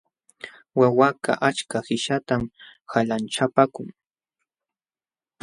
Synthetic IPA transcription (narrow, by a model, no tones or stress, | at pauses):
wawaka̰ʔat͡ʃkahɪʃat̪amhalant͡ʃapakʊŋ